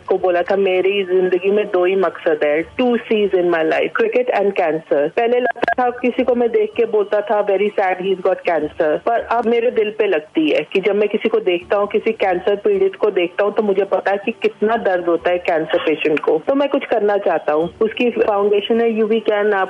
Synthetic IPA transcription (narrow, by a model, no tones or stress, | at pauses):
koboːlat̪ʰameːɾizɪ̃nd̪əɡimẽd̪oːimɐksəd̪ɦɛʈʈuːsiːzɪ̃nmaɪla̰ɪfkɾɪkɪʈɛ̃ɳɖkɛ̃ːnsəɾpɛɦlelɐɡ̚t̪at̪ʰakɪsikomɛ̃d̪eːkʰkeboːlt̪at̪ʰaʋɛːɾisɛːɖɦiːzɡɔːʈkɛ̃ːnsəɾpɐɾɐbmeːɾed̪ɪlpelɐɡ̚t̪iɦɛkid͡ʒɐbmɛ̃kɪsikod̪eːkʰt̪aɦũkɪsikɛ̃ːnsəɾpiːɖɪʈkod̪eːkʰt̪aɦũt̪omʊd͡ʒʱepɐt̪aɦɛkikɪt̪nad̪ɐɾd̪ɦoːt̪aɦɛkɛ̃ːnsəɾpeːʃə̃ɳʈkot̪omɛ̃kʊt͡ʃʰkɐɾnat͡ʃaːɦt̪aɦũʊskifãʊ̃ɳɖeːʃə̃nɦɛjubʱikɛːnaːp